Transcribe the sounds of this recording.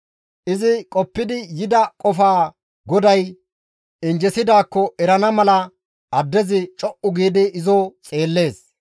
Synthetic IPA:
ʔɪzɪkʼɔpːɪd̪ɪjɪd̪ɐkʼɔfaː | ɡɔd̪ɐj | ɪnd͡ʒɛsɪd̪aːkːɔɛɾɐnɐmɐlɐ | ʔɐd̪ːɛzɪt͡ʃʼɔʔʊɡiːd̪ɪɪzoːt͡sʼe̞ːlːe̞ːs

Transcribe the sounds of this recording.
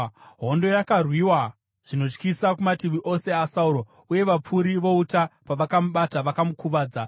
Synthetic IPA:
ɦo̞ndo̞jakarwiwa | ʐ̥ino̞t͡ʃkisakumatiʋiʔo̞se̞asauɾo̞ | uje̞ʋap͡fuɾiʋo̞utapaʋakamuɓataʋakamukuʋaːd͡za

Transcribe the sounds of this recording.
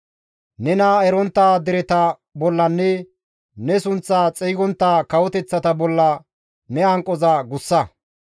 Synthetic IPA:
nɛnɐɛɾɔnt̪ːaːd̪ɪɾɛt̪ɐ | bɔlːɐnːɛ | nɛsʊnt͡sːaːt͡sʼɛjɡɔnt̪ːaːkɐwɔt̪ɛt͡sːɐt̪ɐbɔlːɐ | nɛɐŋkʼːɔzɐɡʊsːɐ

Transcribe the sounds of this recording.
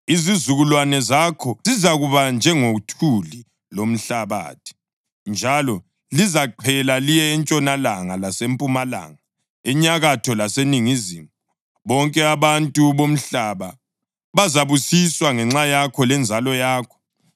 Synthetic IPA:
izizuɣulwanɛzakʰɔzizaɣuβand͡ʒʱɛŋoutʰuli | lom̩ɬaβa̰ːtʰi̥ | nd͡ʒʱalɔ | lizaǃʰɛlalijɛːnt͡ʃʼɔnalaŋalasempʼumala̰ːŋa | ɛɲaɣatʰɔlaseniŋiziːm | βɔŋkʼɛaβantʼuβom̩ɬaβa | βazaβusiswaŋɛŋ͡ǁajakʰɔlɛnd͡zʱalɔjaːkʰɔ̥

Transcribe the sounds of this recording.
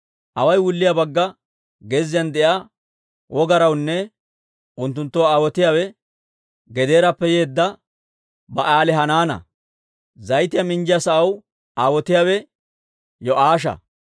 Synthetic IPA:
ʔɐwɐjwʊlːɪjabɐɡːɐ | ɡɛzɪjɐnd̪ɛʔa | wʔɔɡɐɾɐwnːɛ | ʊnt̪ːʊnt̪ːɔwaːwɔt̪ɪjaːwɛ | ɡɛd̪e̞ːɾɐpːɛje̞ːd̪ːɐ | bɐʔaːlɛɦɐnaːnɐ̰ | zɐjt̪ɪjɐmɪnd͡ʒɪjasɐʔɐw | ʔaːwɔt̪ɪjaːwɛ | jɔʔaːʃ̬ɐ̰

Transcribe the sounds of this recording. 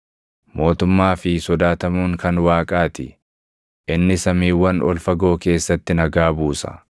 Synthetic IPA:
mo̞ːt̪ʊmːaːfɪsɔd̪aːt̪ɐmuːŋkɐnwaːkʼaːt̪ɪ̰ | ʔɪnːɪsɐmiːwːɐnɔ̰lfɐɡo̞ːke̞ːsːɐt̪ːɪnɐɡaːbuːsɐ̥̰

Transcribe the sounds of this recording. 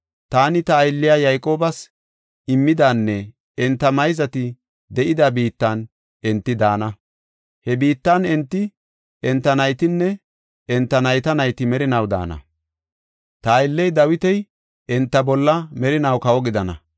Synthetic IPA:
t̪aːnɪt̪ɐːjlːɪjaːjɐjkʼo̞ːbɐs | ɪmːɪd̪aːnːɛ | ɛnt̪ːɐmɐjzɐt̪ɪ | d̪ɛʔɪd̪ɐbiːt̪ːɐn | ɛnt̪ːɪd̪aːnɐ | hɛbiːt̪ːɐnɛnt̪ːɪ | ɛnt̪ːɐnɐjt̪ɪnːɛ | ɛnt̪ːɐnɐjt̪ɐnɐjt̪ɪmɛɾɪnɐwd̪a̰ːnɐ̰ | t̪ɐːjlːɛjd̪ɐwɪt̪ɛj | ɛnt̪ːɐbɔlːɐmɛɾɪnɐwkɐwɔɡɪd̪ɐnɐ̰

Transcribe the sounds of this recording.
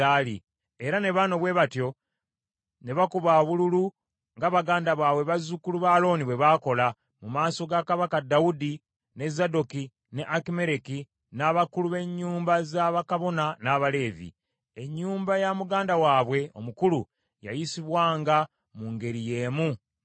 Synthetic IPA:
aːlḭ | e̞ɾane̞βaːno̞βwe̞ːβatjo̞ | ne̞βakuβaβululu | ŋɡaβaɡaːndaβwaːβwe̞βazukuluβaːlo̞ːniβwe̞βaːko̞la | mumaːso̞ɡakaβakadaudi | ne̞zado̞ki | ne̞ʔakime̞ɾeki | naβakuluβe̞ɲːuːmbazaβakaβo̞nanaːβale̞ːvḭ | e̞ɲːuːmbajamuɡaːndawaːβwe̞o̞̰mukulṵ | ja̰jisiβwaːŋɡa | muŋɡe̞ɾije̞ːmu

